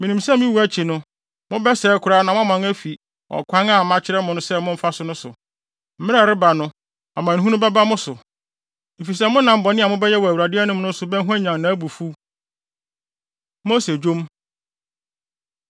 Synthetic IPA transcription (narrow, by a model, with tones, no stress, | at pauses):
mɪ̃˨nĩ˨msɛ˦mĩ˦wu˦æ˦t͡ɕʰi˨nʊ̃˦ | mʊ̃˦bɛ˦sɛː˨˦kʰʊ˨ɾaː˦nã˨mʊ̃˦a˦mã˨ŋæ˦fi˨ | ɔ̰˨kʷʰã˦ŋa˦˨mã˦t͡ɕʰɪ˦ɾɛ˦mʊ̃˨nʊ̃˦sɛ˦mʊ̃˦m̩˦fa˦sʊ˨nʊ̃˦sʊ̰˨ | m̩˦ɪ̃˦ɛ˨ɾɪ˦ba˨nʊ̃˦ | a˨mã˨ñ˨ɦũ˦nʊ̃˦bɛ˦ba˦mʊ̃˦sʊ˨ | m̩˨fi˨s̬ɛ˦mʊ̃˦nã˨m̩˦bɔ˨nɪ̃˦a˨mʊ̃˦bɛ˦jɛ˦wɔ˨æ˨wa˨dɪ˦ɛ˦nʊ̃˦m˦nʊ̃˦n̩˦sʊ˨bɛ̃˦ɦu˦ã˦ɲã˨ŋnã˨˦æ˦bu˨fu˦ | mo˦se˨d͡ʑo˦m